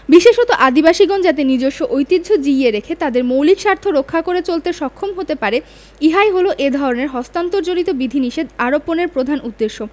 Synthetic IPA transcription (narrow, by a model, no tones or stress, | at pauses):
biʃeʃot̪oʔad̪ibaʃiɡɔnd͡ʑat̪enid͡ʑoʃːoʔojt̪id̪ʱod͡ʑieɾekʰet̪ad̪eɾmowlikʃaɾt̪ʰoɾokʰːakoɾet͡ɕolt̪eʃɔkʰːomɦot̪epaɾe | iɦaeɦoloʔed̪ʱɔɾoneɾɦɔst̪ant̪oɾd͡ʑonit̪obid̪ʱiniʃed̪aɾopːoneɾpɾod̪ʱanud̪ːeʃːo